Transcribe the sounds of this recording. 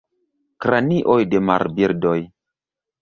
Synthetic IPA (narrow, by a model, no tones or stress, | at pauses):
kɾaniʔojdema̰ɾbiɾdoj